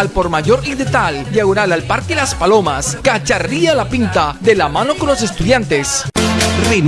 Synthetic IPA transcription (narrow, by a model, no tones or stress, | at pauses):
alpo̞ɾmaʝo̞ɾiðe̞t̪ald̪jaɣonalalpaɾkelaspalo̞maskat͡ʃaɾialapint̪aðe̞lamano̞ko̞nlo̞s̬e̞st̪uðjant̪e̞sren